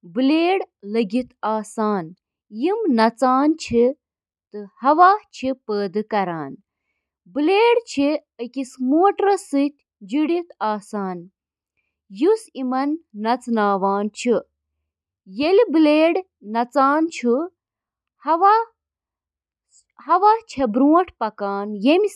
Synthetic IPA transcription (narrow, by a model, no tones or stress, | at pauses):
bɨleːɽlɐɡit̪aːsaːn | jimnɐt͡saːnt͡ʃʰi | t̪ɨhɐʋaːt͡ʃʰipəːd̪ɨkɐɾaːn | bɨleːɽt͡ʃʰi | əkʲismoːʈɾɐsɨt̪ʲ | d͡ʒiɽit̪aːsaːn | jusimɐnːɐt͡snaːʋaːnt͡ʃʰi | jelbɨleːɽ | nɐt͡saːnt͡ʃʰu | hɐʋa | hɐʋaːt͡ʃʰɐbɾuːʈʰpɐkaːnjemi